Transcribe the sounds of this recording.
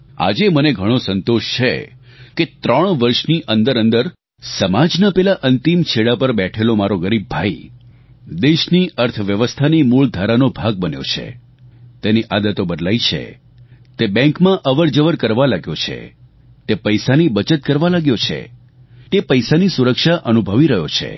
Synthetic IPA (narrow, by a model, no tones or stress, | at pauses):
a̰d͡ʒeməneɡʱəɽ̃osənt̪oʃt͡ʃʰḛket̪ɾəɳ̃ʋəɾʃniʔə̃nd̪əɾənd̪əɾ | səmad͡ʒnapɛlaʔənt̪imt͡ʃʰeɽapəɾbɛʈʰelomaɾoɡəɾibːai | d̪eʃniʔəɾt̪ʰʋjəʋəst̪ʰanimuɭd̪ʱaɾanobʱaɡ̚bənjo̰t͡ʃʰḛ | t̪eniʔad̪ət̪obəd̪lait͡ʃʰḛ | t̪ebɛ̃ŋkmãʔəʋəɾd͡ʒəʋəɾkəɾʋalaɡjot͡ʃʰḛ | t̪epəjsanibət͡ʃət̪̚kəɾʋalaɡjot͡ʃʰḛ | t̪epəjsanisuɾəkʃaʔənubʱəʋiɾəɦjot͡ʃʰḛ